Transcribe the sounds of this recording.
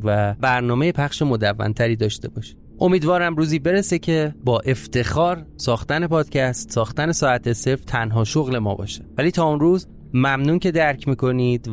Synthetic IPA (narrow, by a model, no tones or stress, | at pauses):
væbæɾnɒːme̞jepʰæxʃemo̞d̪ævːæ̰nt̪ʰæɾiːd̪ɒːʃt̪e̞bɒːʃi̥ | ʔo̞miːd̪vɒːɾæmɾuːziːbe̞ɾese̞cʰe̞bɒːʔe̞ft̪ʰe̞xɒːɾsɒːxt̪æne̞pʰɒːd̪̥cʰæst̪sɒːxt̪æne̞sɒːæt̪ʰeseft̪ʰænɦɒːʃoɣle̞mɒ̰ːbɒ̰ːʃe̥væliːt̪ʰɒːunruːz | mæmnuːnce̞d̪æɾcʰmiːko̞niːd̪